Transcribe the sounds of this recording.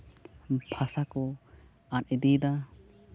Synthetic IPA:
bʱʰasakɔ | anɛd̪id̪a

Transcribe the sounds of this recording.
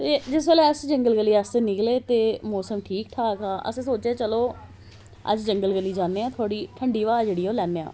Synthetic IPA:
t̪eːd͡ʒɪs̬eːleəsd͡ʒəŋɡəlɡəlːiːaːseːnɪkleːt̪eːmɔːsəmʈʰiːkʈʰaːkaːʔə̰sesoːt͡ʃeːt͡ʃəloː | ə̰d͡ʒd͡ʒəŋɡəlɡəliːd͡ʒãːnːeːãːt̪ʰaːɽiːʈʰəɳɖiːʋaːd͡ʒeːɽiːoːlɛːnːeːa̰ː

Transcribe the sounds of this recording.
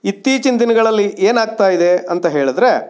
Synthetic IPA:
it̪ːiːt͡ʃind̪inɐɡɐɭɐlːiʔeːnaːɡ̚t̪aːjid̪e̞ɐnt̪ɐɦe̞ːɭid̪ɾe̞

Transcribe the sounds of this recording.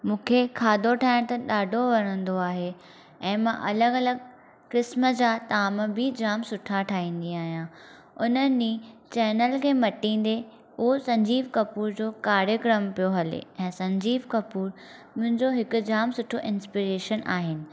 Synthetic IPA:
mũːkʰekʰaːd̪ʱoʈʰaːɪɽ̃t̪ɐɗaːɖʱoʋɐɽ̃ə̃nd̪oaːɦe | ɛ̃ːmãʔɐləɡɐləɡ̚ | kɾɪsməd͡ʑaːt̪aːmbɪd͡ʑaːmsʊʈʰaʈʰaːɦĩːn̆d̪iaːɦijãː | ʊnəit͡ɕɛːnəlkʰeːmɐʈĩːn̆d̪e | ʊɦosɐ̃ɲd͡ʑiːʋkɐpuːɾd͡ʑoːkaːɾjəkɾəmpijoɦɐlḛɛ̃ːsɐ̃ɲd͡ʑiːʋkɐpuːɾ | mʊ̃ɦɪ̃ɲd͡ʑoɦɪkʊ̆d͡ʑaːmsʊʈʰoʔɪnspiɾeːʃənʔaːɦɪnɪ̆

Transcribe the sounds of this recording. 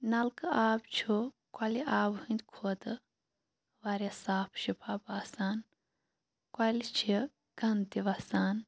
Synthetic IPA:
nɐlkɨaːbt͡ʃʰu | kʷɐliʔaːbhɨ̃nd̪ʲkʰod̪ɨ | ʋɐɾʲesaːpʰʃipʰaːbaːsaːn | kwɐlit͡ʃʰi | ɡ̥ɐnt̪iʋɐsaːn

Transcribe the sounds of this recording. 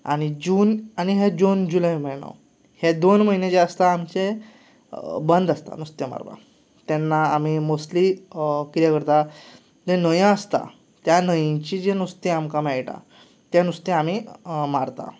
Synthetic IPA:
a̰ɽ̃id͡ʑuːnañiɦed͡ʑond͡ʑulajməjna̰w | hed̪onməɦinẽd͡ʑeəst̪aːmt͡ɕe | bənd̪əst̪a̰nust̪jema̰ɾba̰ | t̪ɛnːaːm̤imoslikiɾjakəɾt̪a | d͡ʑenəjãəst̪a̰ | t̪janəjt͡ɕid͡ʑenust̪ẽamkamɛɭʈa̰ | t̪janust̪ẽam̤imaɾt̪a̰

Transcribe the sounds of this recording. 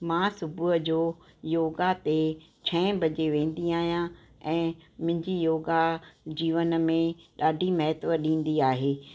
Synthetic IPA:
mãːsʊbʊɦəd͡ʑoː | joːɡat̪et͡ɕʰɛ̃ːbʱɐd͡ʑeʋẽːn̆d̪iaːɦijã | ɛ̃ːmʊ̃ɦɪ̃ɲd͡ʑijoːɡad͡ʑiːʋənəmẽɗaːɖʱimɐɦɪt̪ʋəɗĩːn̆d̪iaːɦeː

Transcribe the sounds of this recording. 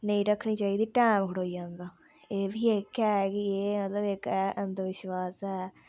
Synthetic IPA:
nəĩːɾəkʰːɳ̃ĩːt͡ʃaːiːd̪iːʈɛːmkʰʊɽoːiːd͡ʒãːnd̪aː | eːbʱiːekɛːkieːmət̪ləbɪkɛːʔənd̪əɾʋɪʃwaːsɦɛː

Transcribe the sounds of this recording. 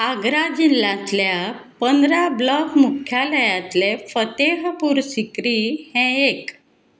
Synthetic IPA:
aɡɾad͡ʑilːat̪ljapənd̪ɾablɔkmukʰjaləjat̪lefət̪eɦəpuɾsikɾihɛ̃ek

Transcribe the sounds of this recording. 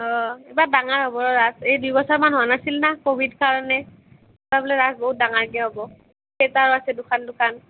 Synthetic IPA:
ɔebadaŋaɹɦobɔɹɔɹazejdujbɔsaɹmanɦɔanasilnakobʱidkaɹɔnɛ | babɔlɛɹazboɦut̚daŋaɹɡiɛɦobɔ | ketaɹasɛdʊkʰandʊkʰan

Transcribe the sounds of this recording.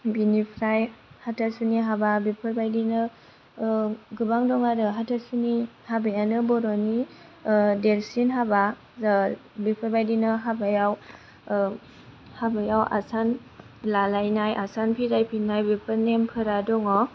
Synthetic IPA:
binipʰɾajhatʰasuniɦababipʰɯɾbajdinɯ | ɡɯbaŋdɔŋaɾɯɦatʰasuni | habajanɯbɔɾɔni | delsinɦaba | bipʰɯɾbajdinɯɦabajaw | habajawa̰san | lalajnajʔasanpʰiɾajpʰinajbipʰɯɾnempʰɯɾadɔŋɔ

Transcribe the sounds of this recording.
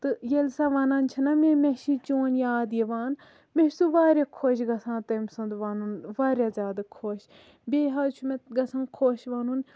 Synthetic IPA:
t̪ɨjelsaːʋaːnaːnt͡ʃʰɐnamemeʃit͡ʃoːnjaːd̪jeʋaːn | meʃsuʋaːɾʲjakʰoːʃ̬ɡɐsʰãːt̪ɐmsɐnd̪ʋaːnunʋaːɾjaːzʲjaːd̪akʰoːʃ | bʲeːɦaːt͡ʃʰumeɡɐsãːnkʰoːʃʋaːnun

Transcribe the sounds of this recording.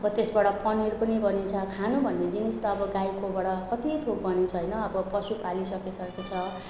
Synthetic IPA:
ʌbʌt̪esbaɽʌpʌnirpʌnibʌnit͡sʰʌkʰanubʱʌnːed͡zinist̪ʌːbʌɡajkobaɽʌkʌt̪it̪ʰok̚bʌnit͡sʰʌɦjnʌːbʌpʌsupalisʌkesʌket͡sʰʌ

